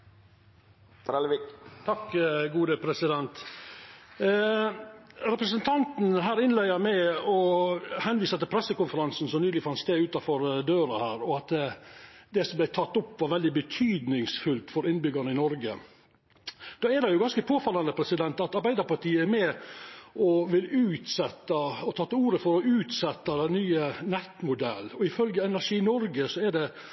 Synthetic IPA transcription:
t̪ʰɑkːɡuːd̪əpʰɾɛsɪd̪ɛnt̪ | ɾɛpɾəsənt̪ʰɑnt̪n̩ɦæːɾɪnlæɪəmæɪɔhɛnʋiːsət̪ɪlpʰɾɛsːəkʊnfəɾɑnsn̩sɔmnyːlɪfɑnst̪eːʉːt̪ɑfɔɾd̪øːɾəhæːɾɔɑt̪ | d̪ɛsɔmblæɪt̪ʰɑt̪ːɔpːʋɑɾʋɛld̪ɪbət̪ʰyːd̪nɪŋsfʉlt̪fɔɾɪnbʏɡɑɾɳəɪnɔɾɡə̰ | d̪̥oːɛɖɛjʊɡɑnskəpʰoːfɑlːɑnd̪əpʰɾɛsɪd̪ɛnt̪ɑt̪ɑɾbæɪd̪əɾpɑɾʈʰiːəɛmɛ | ʔɔʋɪlːʉːt̪sɛt̪ːəɔt̪ʰɑːt̪ːəuːɾəfɔɾɔʉːt̪sɛt̪ːɑd̪ɛnːyːənɛt̪mʊd̪ɛ̰lːɔɪfœlɡəɛnæʂiːnɔɾɡəsɔɛɖɛ

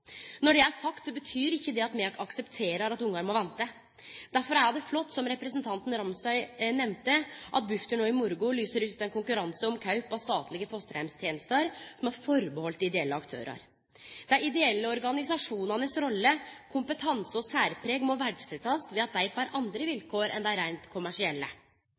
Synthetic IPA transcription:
nɔɖɛæɾʂɑkt̪sɔbət̪ʰyːɾɪçːəd̪ɛɑt̪mɛɑksɛpt̪ʰeːɾɑɾɑt̪ʊŋːɑɾmɔʋɛnt̪ə | d̪æɾfɔɾæɖɛflɔt̪ːsɔmɾɛpɾɛsənt̪ʰɑnt̪n̩ɾɑmsɑʏnɛmt̪əʔɑt̪̚bʉft̪əɳoːɪmʊɾɡʊlyːsəɾʉːt̪ɛnkʊŋkʉɾɑnsəɔmkʰɑʉpɔst̪ɑːt̪lɪɡəfɔst̪əɾæmst̪ʰjeːnəst̪əɾsɔmhɑɾfɔɾbəhɔlt̪d̪ɪɪd̪ɛɛlːəɑkt̪ʰø̰ːɾʔɑ̰ɾ | d̪̥ɛæɾɪd̪ɛɛlːəɔɾɡɑnɪsɑʂuːnɑnəsɾɔlːəkʰʊmpət̪ʰɑnsɔsæːɾpʰɾeːɡmɔʋæɖʂɛt̪ɑsʋɛːɑt̪̚d̪æɪfɑːɾʔɑnd̪ɾəʋɪlkʰoːɾɛ̰nd̪ɛæɾæɪnt̪kʰʊmæʂɪɛlːə

